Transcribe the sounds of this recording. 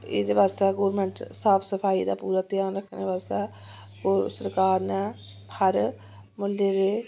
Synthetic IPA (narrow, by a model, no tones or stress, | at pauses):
ɪ̰d̪eːʋaːst̪aːɡoːɾmə̃ɳʈsaːpʰsəpʰaːiːd̪aːpuːɾaːt̪ianɾəkʰːəneʋaːst̪aː | kosəɾkaːɾnɛ̃ː | həɾ | mʊlːeːɾeː